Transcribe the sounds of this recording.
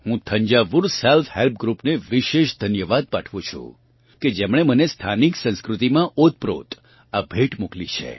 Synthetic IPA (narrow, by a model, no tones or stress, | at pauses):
ɦũt̪ʰəɲd͡ʒaʋuɾsɛlfhelp̚ɡɾupneʋiʃeʃd̪ʱənjəʋad̪̚paʈʰʋũt͡ʃʰṵ̃ | ked͡ʒemɽ̃emənest̪ʰaniksə̃nskɾut̪imãʔot̪̚pɾo̰t̪ | abʱeʈmuklit͡ʃʰḛ